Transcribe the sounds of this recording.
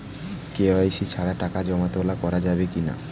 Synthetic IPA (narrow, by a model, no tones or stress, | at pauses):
keoajsit͡ɕʰaɽaʈakad͡ʑɔmat̪olakɔɾad͡ʑabekina̰